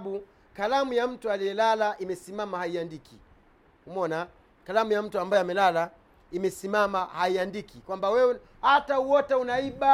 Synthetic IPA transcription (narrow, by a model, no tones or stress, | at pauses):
ɓu | kalamujam̩tualijɛlalaʔimɛsimamahaiandikʰi | humɔna | kalamujam̩tuambajɔamɛlala | imɛsimamahaiandikikwambawɛ | hatauwɔtɛunaiɓa